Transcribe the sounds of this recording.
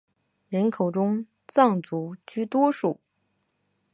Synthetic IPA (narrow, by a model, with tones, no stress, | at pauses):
ɻə˧˥nkʰo˨˩ʊʈ͡ʂʊ˥ŋ | t͡sɑ˥˩ŋt͡su˧˥t͡ɕy˥˩t̪wɔ˥ʂu˥˩˦